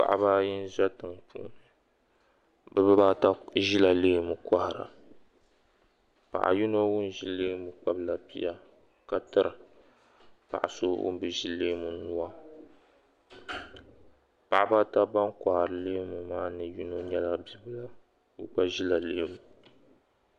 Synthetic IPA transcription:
pa̰˨ʔa̰˦ba˦jɪ˦n˦ʒa˦tɨ˨ŋpʰṵ˦nɨ˨ | bɨ˦bɨ˦ba˦ta˦ʒi˦la˨leː˦mu˨ka˦hɾa̰˨ | pa̰˨ʔa̰˨ju˦no˦wʊ˦n˨ʒi˦lːeː˦mu˨k͡pa˦bla˨bi˦a˦ | ka˨tɨ˦ɾɨ˨ | pa̰˨ʔa̰˨so̰˦wʊ̰˦n˦bɨ˨ʒi˦leː˦mu˨nu˦a˦ | pa˨ʔa˦ba˦ta˦ba˦nka˨hɾɨ˨leː˦mu˨maː˦nɨ˨ju˦no˦ɲɛ˦la˦bi˦bla˦ | bɨ˦k͡pa˦ʒi˦la˨leː˦mu˨

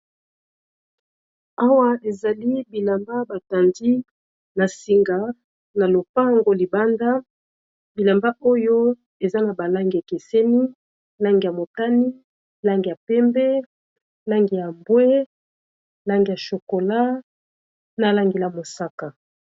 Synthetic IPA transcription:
a˦wa˦e˨za˨li˦bi˨la˨mba˦ba˨ta˨ndi˦ | na˨si˨ŋɡa˨ | na˨lo˨pa˦ŋɡo˦li˨ba˦nda˦ | bi˨la˨mba˦ʔo˦jo˦ | e˨za˦na˨ba˨la˦ŋɡi˨e˨ke˨se˦ni˦ | la˦ŋɡi˨ja˨mo˨ta˦ni˦ | la˦ŋɡi˨ja˨pɛ˦mbɛ˦ | la˦ŋɡi˨ja˨mbwɛ˦ | la˦ŋɡi˨ja˨ʃo˨ko˨la˦ | na˨la˦ŋɡe˨la˨mo˨sa˦ka˨

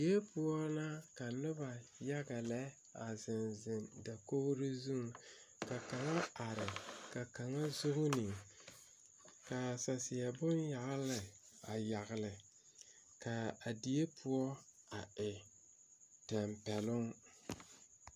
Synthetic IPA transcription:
i˨˦e˦pʊ˦ɔ˦na˦ka˨nʊ˦ba˨ja˦ɡa˨lɛ˦ | a˨zɪ˨nzɪ˨nda˨ko˦hɾɪ˦zu˦ŋ˨ | ka˨ka˨ŋa˦a˨ɾɪ˨ka˨ka˨ŋa˦zʊ˦ɣʊ˦nɪ˨ | ka˨sa˨sɪ˨a˨bʊ˦nja˨ʔlɪ˨ | a˨ja˨ɣlɪ˨ | ka˨a˨di˨e˦pʰʊ˦ɔ˦ | a˨ɪ˨ | tɛ˨mpɛ˨lʊ˦ŋ

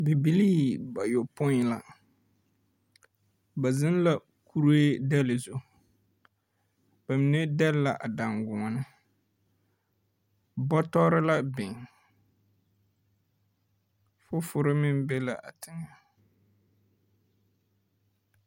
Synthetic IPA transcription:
bi˨bi˨liː˦ba˨jo˨pʊ˦˨la˨ | ba˨zɪ˦n˦la˨ | kʰu˦ɾeː˦dɛ˦lɪ˨zo˦ | ba˨mɪ˨ne˦dɛ˦lla˨ʔa˨da˨ŋɡʊ˨ŋɔ˨nɨ˦ | bɔ˦tɔ˦ɾɪ˦la˦bɪ˨ŋ | fʊ˦fʊ˨ɾɪ˦mɪ˦n˦bɛ˦la̰˨ʔa˨tʰɪ˨ŋa˨

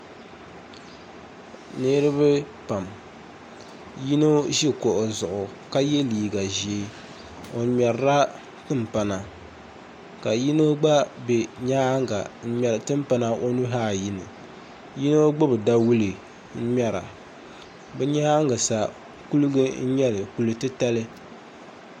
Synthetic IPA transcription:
ne˦ɾɨ˦bɨ˦ | pa˨m | ji˦no˦ʒi˦ko˨ʔo˨zʊ˨ʔʊ˨ | ka˦je˦liː˨ɡa˨ʒe˨˦ | o˨ɲɛ˨ɾɾa˦ | tɨ˦mpa˨na˨ | ka˨ji˦no˦ɡ͡ba˦be˨ɲaː˦ŋɡa˨n̩˦ɲɛ˨ɾɨ˨tɨ˦m˦pa˦na˦ʔo˦nu˦ɦaː˦˨ji˦nɨ˨ | ji˦no˦ɡ͡bo˦bɨ˨da˦wu˦lɨ˨ | n̩˦mɛ˦ɾa̰˨ | bɛ˦ɲaː˦ŋɡɨ˨sa˨ | ku˦lɨ˦ɡɨ˦n̩˦ɲɛ˦lɨ˨ku˨lɨ˦tɨ˦ta˦lɨ˦

